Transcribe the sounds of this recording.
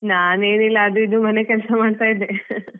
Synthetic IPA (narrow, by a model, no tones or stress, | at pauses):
naːne̞ːnilːɐːd̪uid̪umɐne̞kɛlsɐmaːɖt̪aːjid̪ːe